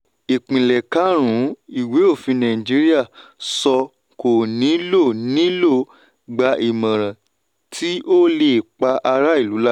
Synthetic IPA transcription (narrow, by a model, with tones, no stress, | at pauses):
i˨k͡pĩ˨lɛ˨ka˨˦ɾ̃ũ˨˦i˦˨we˨˦o˦˨fĩ˧nã˨ĩ˨d͡ʒi˨˦ɾi˦a˦˨sɔ˧ | ko˨nĩ˨˦lo˦˨nĩ˨˦lo˦˨ | ɡ͡ba˧i˨mã˨ɾ̃ã˨ | tʰi˦ʔo˦le˦˨k͡pa˧ʔa˧ɾa˦i˦˨lu˨˦la˦